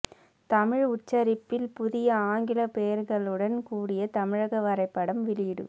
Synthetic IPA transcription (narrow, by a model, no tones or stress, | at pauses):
t̪ɐmɪɻʊt͡ʃːɐɾɪpːɪlpʊðɪjɐaːŋɡɪlɐpejɐɾɣɐɭɯɽɐnkuːɽɪjɐt̪ɐmɪɻɐɣɐʋɐɾɐɪpːɐɽɐmʋɪlɪɽɯ̰